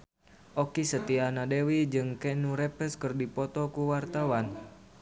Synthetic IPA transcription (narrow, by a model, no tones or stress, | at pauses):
ʔɔkisət̪ianadewid͡ʒɨŋkɛnuɾɛpɛskɨrdipɔt̪ɔkuwart̪awan